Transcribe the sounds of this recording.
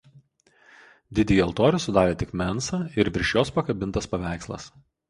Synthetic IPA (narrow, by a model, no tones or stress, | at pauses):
d̪ʲɪd̪ʲiːjɐlˠt̪oːɾʲɛsʊd̪ɑːɾʲeːt̪ʲɪkmʲɛnsɑːɪɾʋʲɪɾʲʃʲjoːspɐkɐbʲɪnt̪ɐspɐʋʲæˑɪkslˠɐ̰s